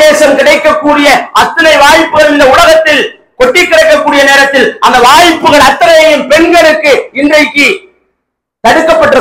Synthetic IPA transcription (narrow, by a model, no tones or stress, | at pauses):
eːsɐmkɪɽɐɪkːɐkːuːɽɪjɐɐt̪ːɐnɐɪʋaːjɪpːɯɣɐɭɪnːɐʊɽɐɣɐt̪ːɪl | kɔʈːɪkːɪɽɐɪkːɐkːuːɽɪjɐneːɾɐt̪ːɪlʔɐ̰nd̪ɐʋaːjpːɯɣɐɭɐt̪ːɐnɐjɐjɯmpɛɳɡɐɽɯkːɯɪndrɐɪkːɯ | t̪ɐɽɯkːɐpːɐʈːɯɾɐ